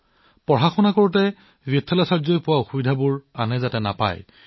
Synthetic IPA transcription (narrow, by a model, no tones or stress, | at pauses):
pɔɦaxɔnakoɹutɛ | vitʰːɔlasaɹzojpʊwaʊxubidʱabʊɹanɛzatɛna̰pa̰j